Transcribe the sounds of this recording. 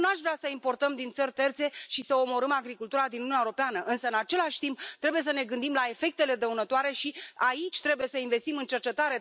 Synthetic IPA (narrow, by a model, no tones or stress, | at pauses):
naʃvɾeasəimpo̞rt̪əmd̪int̪sərʲt̪e̞rt̪se̞ʃisəo̞mo̞ɾəmaɡɾikult̪uɾad̪innunʲaeoɾo̞peanəʔɨnsəɨnat͡ʃe̞laʃʲt̪imp̚t̪ɾe̞buje̞səne̞ɡɨnd̪imlae̞fe̞k̚t̪e̞le̞d̪əunət̪oaɾe̞ʃiait͡ʃʲt̪ɾe̞buje̞səinve̞st̪imɨnt͡ʃe̞rt͡ʃe̞t̪aɾe̞